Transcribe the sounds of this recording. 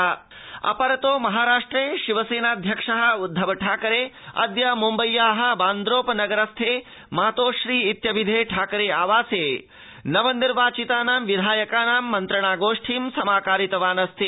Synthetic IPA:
ɐ | ɐ̰pɐɾɐt̪oːmɐɦaːɾaːʂʈɾeːʃiʋɐseːnaːd̪ʱjɐkʂɐɦɐ̆ud̪ʱːɐʋɐʈʰaːkɐɾeːɐ̰d̪jɐmumbɐjːaːɦɐ̆baːnd̪ɾoːpɐnɐɡɐɾɐst̪ʰeː | maːt̪oːʃɾiːit̪jɐbid̪ʱeːʈʰaːkɐɾeːaːʋaːseː | nɐʋɐnːiɾʋaːt͡ʃit̪aːnaːmʋid̪ʱaːjɐkaːnaːmːɐnt̪ɾɐɳaːɡoːʂʈʰiːmsɐmaːkaːɾit̪ɐʋaːnɐst̪ʰi

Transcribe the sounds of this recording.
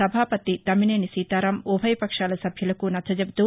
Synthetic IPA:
ɐbʱaːpɐt̪it̪ɐmineːnisiːt̪aːɾaːmoːbʱɐjpɐkʂaːlɐsɐbʱjɐlɐkunɐt̪ʰɐd͡ʒɐb̚t̪u

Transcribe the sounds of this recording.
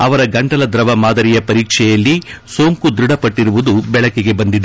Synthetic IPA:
ɐʋɐɾɐɡɐɳʈɐlɐd̪ɾɐʋɐmaːd̪ɐɾijɐpɐɾiːkʂɛjɐlːisoːŋkud̪ɾuɽɐpɐʈːiɾuʋud̪ubɛɭɐkːeɡe̞bɐnd̪id̪ɐ

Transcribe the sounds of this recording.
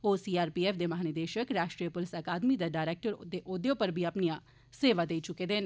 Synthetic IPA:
oːsiːaːɾpiːeːfd̪eːmaɦaːnɪd̪eːʃəkɾaːʃʈɾiəpʊlɪsəkaːd̪miːd̪aɖaːɪɾeːk̚ʈəɾd̪eːʔod̪joːpəɾbʱiːəpnijaː | seːʋaːd̪eːit͡ʃʊkeːd̪eːn

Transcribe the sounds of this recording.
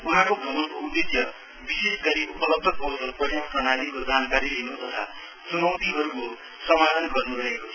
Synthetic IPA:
unãkoɡʱʌmʌnkoud̪ːesjʌ | bisesɡʌɾiupʌlʌb̚d̪ʱʌkʌsʌpʌrjʌprʌnalikod͡zankaɾilinot̪ʌt̪ʰa | sumʌwt̪iɦʌɾuko | sʌmalʌnɡʌrnuɾʌɦekot͡sʰʌ

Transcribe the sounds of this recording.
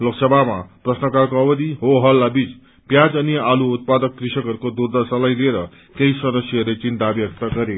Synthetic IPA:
loksʌbʱama̰prʌsnʌkakoʌbʌd̪iɦoɦʌlːabit͡s | pjad͡zʌnialuut̪̚pad̪ʌkːrisʌkʌɾukod̪urd̪ʌsalajlieɾʌ | kejsʌd̪ʌsjʌʌɾet͡sint̪abjʌk̚t̪ʌɡʌɾe

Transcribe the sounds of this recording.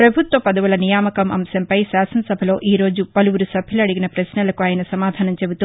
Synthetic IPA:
pɾɐbʱut̪ʋɐpɐd̪ɐʋulɐnijaːmɐkɐmʔɐ̰msɐmpɐjsaːsɐnɐsɐbʱɐlo̞ːʔiːɾo̞ːd͡ʒupɐluʋuɾusɐbʱilɐɽiɡinɐpɾɐsnɐlɐkuaːjɐnɐsɐmaːd̪ʱaːnɐmt͡ʃe̞but̪u

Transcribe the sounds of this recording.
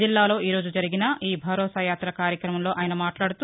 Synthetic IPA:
ilːaːlo̞ːiːɾo̞ːd͡ʒud͡ʒɐɾiɡinɐiːbʱɐɾɔːsaːjaːt̪ɾɐkaːɾjɐkɾɐmɐmloːʔaːjɐnɐmaːʈlaːɽut̪u

